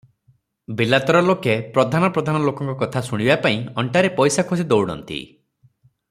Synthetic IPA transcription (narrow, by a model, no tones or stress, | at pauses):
bilat̪ɔɾɔlokepɾɔd̪ʱanɔpɾɔd̪ʱanɔlokɔŋkɔkɔt̪ʰasuɽ̃ibapaĩɔɳʈaɾepɔjsakʰos̬id̪owɽɔ̰nt̪ḭ